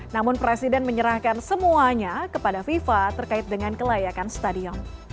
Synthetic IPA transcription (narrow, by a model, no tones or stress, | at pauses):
namʊnpɾesidɛnməɲəɾahkansəmuaɲakəpadafifat̪ərkaɪt̪̚dəŋankəlajakanst̪adiɔn